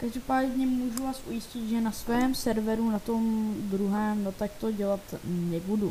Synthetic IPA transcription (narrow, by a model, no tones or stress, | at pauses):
kaʒdopaːdɲɛmuʒuvaːsʔujɪscɪt̪ʒɛnasvɛmsɛɾvɛɾunat̪o̞md̪ɾuɦɛɛːmnot̪ak̚t̪o̞ɟɛlat̪nɛbudu